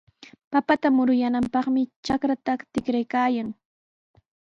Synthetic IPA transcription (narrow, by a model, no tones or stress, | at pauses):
papat̪amʊɾʊjanampɑχmɪt͡ʃakɾat̪at̪ɪkɾajkaːjaŋ